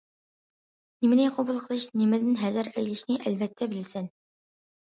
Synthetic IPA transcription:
nɪmɪnɪqʰobulˠqʰəlˠɨʃnɪmɪd̪ɪnɦæzɪɾɛjlɪʃnɪʔɛlvɛt̪ʰːɛbɪlsɪn

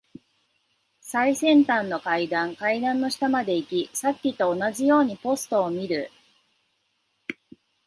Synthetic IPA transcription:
saisẽ̞nt̪ãnːo̞kaid̪ãŋkaid̪ãnːo̞ɕi̥t̪amad̪e̞ikʲisakʲːit̪o̞ːnaʑijo̞ːɲ̟ipo̞sɨ̥t̪o̞ːmʲiɾɯ̟

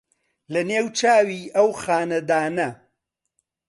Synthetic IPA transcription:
lɐneːwt͡ʃaːwiːʔɐwxaːnɐd̪aːnɐ

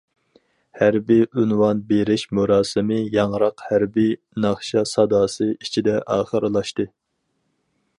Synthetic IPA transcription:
hæɾbiʔynwɑnbeɾɪʃmuɾɑːsɨmɨjɑŋɾɑqhæɾbi | nɑχʃɑsɑd̪ɑːsɨit͡ʃʰid̪ɛʔɑːχəɾɨlˠɑʃt̪ɨ

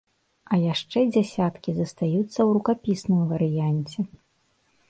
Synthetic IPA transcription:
ɐjaʂt͡ʂɛd͡zʲasʲat̪kʲizɐst̪ajut̪sːɐwɾukapʲisnɨmvɐɾɨjanʲt͡sʲɛ

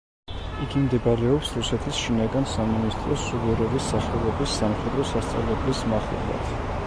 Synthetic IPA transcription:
iɡimd̪ɛbaɾɛɔpsɾusɛt̪ʰisʃinaɡansaminist̪ʼɾɔsːuɡuɾɛvisːaχɛlˠɔbisːamχɛd̪ɾɔsast̪sʼa̰vlɛblismaχɛ̰lˠa̰t̪ʰ

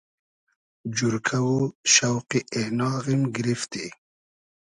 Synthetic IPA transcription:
d͡ʑuɾkʰawuʃawqiʔenɑːɣimɡɾift̪i

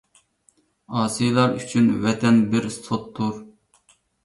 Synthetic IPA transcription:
ɑːsɨjlˠɑɾyt͡ʃʰynvɛt̪ʰɛnbɪɾsot̪ʰːuɾ

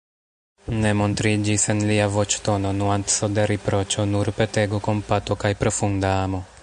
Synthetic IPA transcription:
ne̞mo̞ntɾid͡ʒise̞nliavo̞t͡ʃto̞no̞nuant̪sodeɾipɾo̞t͡ʃo̞nuɾpe̞teɡoko̞mpato̞kajpɾo̞fundaamo̞

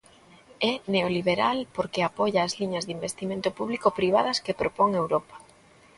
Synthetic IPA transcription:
ɛneoliβeɾalpoɾkeapɔʝaːzliɲɐzðimbest̪imẽnt̪ʊpuβlikopɾiβ̞að̞ɐskepɾopɔŋewɾopḁ

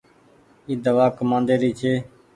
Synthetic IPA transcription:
iːd̪əʋaːkəmãːnd̪eːɾiːt͡ʃʰeː

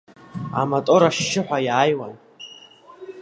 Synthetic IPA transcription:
a̰matʼoɾaʃːɪħʷᶣajaːjwan

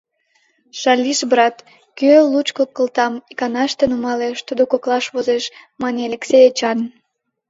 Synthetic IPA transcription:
ʃɑlʲiʃbrɑt̪ | kølut͡ɕkokəlt̪ɑmikɑnɑʃt̪enumɑleʃt̪ud̪okoklɑʃβozeʃmɑnʲeɑleksʲejet͡ɕɑn

